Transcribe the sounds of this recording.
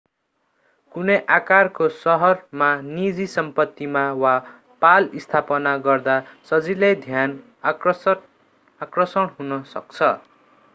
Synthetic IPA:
kunʌjʔakarkosʌɦʌrmanid͡zisʌmpʌt̪ːimawa | palist̪ʰapʌnaɡʌrd̪asʌd͡zilajd̪ʱjan | akrʌsʌɽɦunʌsʌ̰k̚t͡sʰʌ

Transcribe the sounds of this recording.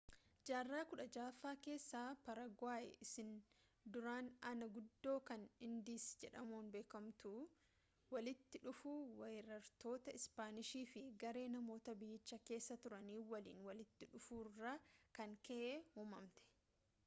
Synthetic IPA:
d͡ʒaːrːaːkʊᶑɐd͡ʒaːfaːke̞ːsːaːpɐɾɐɡwaːʔɛ̰ʔɪsɪn | d̪ʊɾaːnɐnɐɡʊd̪ːo̞ːkɐnɪnd̪iːsd͡ʒɛᶑɐmuːnbe̞ːkɐmt̪u | wɐlɪt̪ːɪᶑʊfuːwɐɾɐɾt̪o̞ːt̪ɐɪspaːnɪʃiːfɪɡɐɾe̞ːnɐmo̞ːt̪ɐbɪjːɪt͡ʃːɐke̞ːsːɐt̪ʊɾɐniːwɐlḭːnwɐlɪt̪ːɪᶑʊfuːrːakɐŋkɛʔeːhuːmɐmt̪ɛ̥

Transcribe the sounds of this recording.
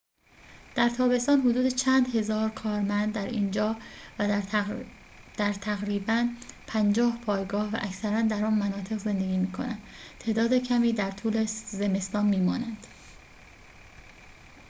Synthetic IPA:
d̪̥æɾt̪ʰɒːbe̞st̪ɒːnɦod̪uːd̪et͡ʃʰæːnd̪he̞zɒːɾkʰɒːɾmænd̪̚ːæɾiːnd͡ʒɒːvæ | d̪̥æɾt̪ʰæɣɾiːbænpʰænd͡ʒɒːhpʰɒːjɡɒːhvæ̰ʔæcsæɾænd̪æɾɒːnmænɒːt̪ʰe̞ɣze̞nd̪eɡʲiːmiːkʰo̞nænd̪t̪ʰeːd̪ɒːd̪ecʰæmiːd̪æɾt̪ʰuːleze̞me̞st̪ɒːnmiːmɒːnænd̪̥

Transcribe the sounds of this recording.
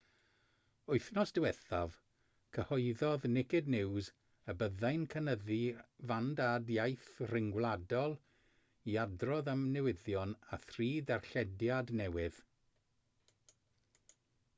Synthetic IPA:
ʊɨθnɔsd̥ɪwɛθav̥ | kʰəhɔɨðɔðnɪkɪdnɪwz | əbəðajnkʰənəðivandadjajθrɪŋɡwlˠadɔlˠ | iadrɔðəmnɛwɪðjɔnaθriːdarɬɛdjadnɛwɪð̥

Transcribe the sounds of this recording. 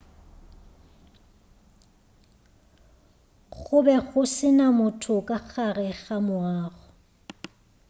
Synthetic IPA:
ɣʊbɛɣʊsɪnamʊtʰʊkʼaχarɛɣamʊaːɣʊ

